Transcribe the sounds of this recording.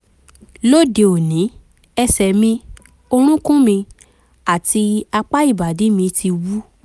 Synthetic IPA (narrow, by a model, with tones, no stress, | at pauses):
lo˦˨de˧o˨nĩ˨˦ | ɛ˧sɛ˨mĩ˧ | o˧ɾ̃ũ˦kũ˦mĩ˧ | a˨ti˧a˧k͡pa˦i˦˨ba˨de˨˦mĩ˧ti˧wu˦